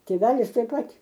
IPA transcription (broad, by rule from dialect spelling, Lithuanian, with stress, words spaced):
tʲeːˈʋʲæːlʲɪs tɐɪp ˈpɐt